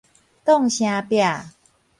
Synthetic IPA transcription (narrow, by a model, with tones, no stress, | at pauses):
t̪ɔ˥˩˨ŋɕj̃a˧˦pja˨˩